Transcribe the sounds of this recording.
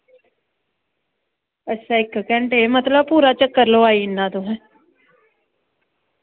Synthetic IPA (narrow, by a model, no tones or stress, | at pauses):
ɛsaːɪkːkɛ̃ɳʈeːmət̪ləb̚puːɾaːt͡ʃəkːəɾloːaːiɪnːaːt̪oɦɛ̃ː